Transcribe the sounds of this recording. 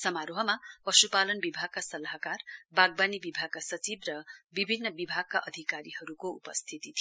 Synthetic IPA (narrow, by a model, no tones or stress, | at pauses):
sʌmaɾoɦʌmapʌsupalʌnbibʱaɡ̚kasʌlaɦakarbaɡ̚banibibʱaɡ̚kasʌt͡sibrʌbibʱinːʌbibʱaɡ̚kaʔʌd̪ʱikaɾihʌɾukoupʌst̪ʰit̪it̪ʰi